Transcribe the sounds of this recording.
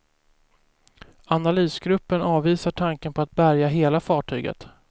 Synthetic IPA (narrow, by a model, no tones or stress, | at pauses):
analiːsɡɾɵpːənɑːvːiːsaʈʰaŋkənpʰɔat̪̚bæɾjaɦeːlafɑːʈʰy̰ːɡə̰t̪